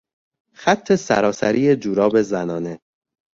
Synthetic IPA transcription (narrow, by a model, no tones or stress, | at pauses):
xæt̪ʰːe̞sæ̰ɾɒːsæ̰ɾʔiːed͡ʒuːɾɒːbe̞zænɒːne̞